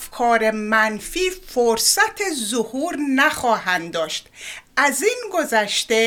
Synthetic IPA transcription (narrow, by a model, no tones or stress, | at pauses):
fkʰɒːɾemænfiːfoɾsæt̪ʰezohuːɾnæxɒːɦænd̪ɒːʃt̪ʔæziːnɡo̞zæʃt̪e